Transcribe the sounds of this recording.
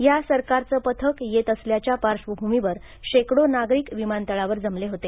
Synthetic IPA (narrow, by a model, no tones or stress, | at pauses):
jasəɾkaɾt͡səːpət̪ʰəkjet̪əsljat͡ɕjapaɾʂʋəbʱumiʋəɾ | ɕekɽonaɡɾiːkʋimant̪əɭaʋəɾd͡zəmleɦot̪e